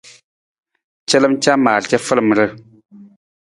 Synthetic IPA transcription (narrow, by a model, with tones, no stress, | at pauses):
t͡ʃɛ˦lə˦m˦t͡ʃa˦maː˨t͡ʃɛ˦fə˦lə˨m˨ɾə˦